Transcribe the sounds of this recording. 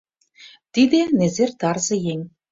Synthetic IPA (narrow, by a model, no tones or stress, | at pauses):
t̪id̪ĕnezert̪ɑrzɤ̆jeŋʲ